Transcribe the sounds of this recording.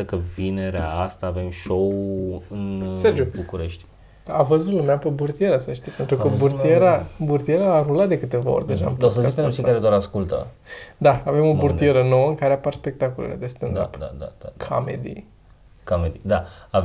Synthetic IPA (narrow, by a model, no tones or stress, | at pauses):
əkəvine̞ɾea̰ast̪aːve̞mʃowɨnsserd͡ʒubukuɾeʃt̪ʲ | avəzut̪lumeapeburt̪ije̞ɾəsəʃt̪ipe̞nt̪ɾukəbuɾt̪ieɾaburt̪ijeɾaːɾulat̪̚d̪ekɨt̪e̞vao̞̰rʲd̪eʒa̰mposəzikenɾut͡ʃejkaɾed̪oaɾaskult̪ə̰ | d̪aave̞mo̞burt̪ije̞ɾəno̞wəɨŋkaɾeaparspek̚t̪akolḛlḛd̪est̪end̪a̰pd̪a̰d̪a̰d̪̥akʰa̰mḛd̪ḭ | kamed̪id̪aa